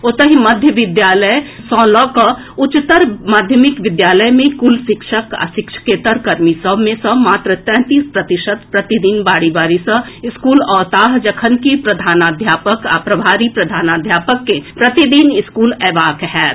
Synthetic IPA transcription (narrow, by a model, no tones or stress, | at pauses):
ot̪əɦimɐd̪ʱjəʋɪd̪jaːləj | sɔ̃ːlɔːkə | ʊt͡ʃɪt̪ːəɾmaːd̪ʱjəmɪkʋɪd̪jaːləjmẽkʊlʃɪkʃəka̰sɪkʃʰkeːt̪əɾkɐɾmisəbmẽsəmaːt̪ɾət̪ɛ̃ːt̪iːspɾɐt̪ɪʃət̪pɾɐt̪id̪iːnbaːɽibaːɾisə | ɪskuːlɔːt̪aːɦd͡ʒɐkʰənkipɾɐd̪ʱaːnaːd̪ʱjaːpəka̰pɾəbʱaːɾipɾɐd̪ʱaːnaːd̪ʱjaːpəkːepɾɐt̪id̪iːnɪskuːlɛːʋaːkɦɛːt